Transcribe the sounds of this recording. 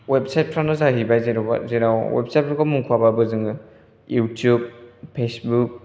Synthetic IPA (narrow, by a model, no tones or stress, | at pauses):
web̚sajt̚pʰɾanɯzaɦibajzeɾba̰zeɾawwḛb̚saj̚pʰɾɔkamuŋkʰuababɯzɯŋɯ | jutʰjub̚pʰesbuk̚